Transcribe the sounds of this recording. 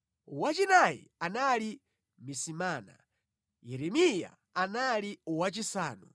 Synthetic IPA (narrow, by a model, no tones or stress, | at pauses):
uwat͡ʃinajḭanali | misimaːna̰ | jɛɾɛmija̰ːnaliwat͡ʃisaːnu